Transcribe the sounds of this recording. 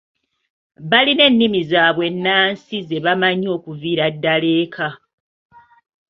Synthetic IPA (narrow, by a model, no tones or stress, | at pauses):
βaline̞nːimizaːβwe̞nːaːnsize̞βamaɲo̞ːkuviːɾadːale̞ːkʰa